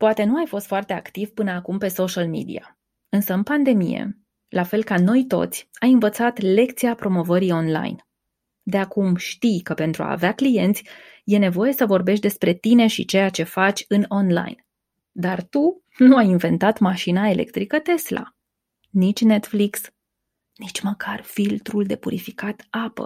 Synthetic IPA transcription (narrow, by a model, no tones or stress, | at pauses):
poat̪e̞nuajfo̞st̪foart̪e̞akt̪ivpɨnəakumpe̞so̞ʃalmḭd̪ḭa | ɨnsəɨnpand̪e̞mḭjḛ | lʔafe̞lkano̞jt̪o̞̰t̪sʲajɨnvət̪sat̪le̞kt̪siapɾo̞mo̞vəɾio̞nla̰jn | d̪e̞akumʃt̪ijkəpe̞nt̪ɾua̰ːveaklije̞nt̪sʲ | je̞ne̞vo̞je̞səvo̞rbe̞ʃt̪d̪e̞spɾe̞t̪ine̞ʃḭt͡ʃe̞jat͡ʃe̞fat͡ʃʲɨno̞nla̰jn | d̪art̪u | nuajinve̞nt̪at̪maʃinae̞lʔe̞̰kt̪ɾikət̪e̞sla̰ | nit͡ʃʲne̞t̪fliks | nit͡ʃʲməkʰarfilt̪ɾuld̪e̞puɾifikat̪apə̰